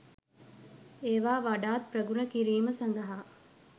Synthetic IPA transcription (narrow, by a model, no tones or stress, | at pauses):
eːʋaːʋaɖaːt̪̚prəɡunəkiɾiːməsan̆d̪əɦa